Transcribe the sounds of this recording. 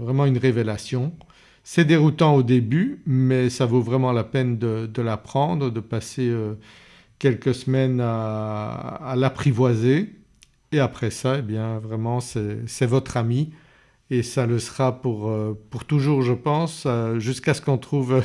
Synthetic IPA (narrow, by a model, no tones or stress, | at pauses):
vʁɛmɑ̃ynʁevelasjɔ̃ | sɛd̪eʁut̪ɑ̃od̪ebymɛsavovʁɛmɑ̃lapɛnd̪əd̪əlapχɑ̃d̪ʁəd̪əpaseø | kʲɛlkəsmɛna | lapχivwaze | eapχɛsaebjɛ̃vʁɛmɑ̃sɛsɛvɔt̪χami | esaləsəʁapuʁøpuʁt̪uʒuːʁʒəpɑ̃sʒyskasə̥kɔ̃t̪χuv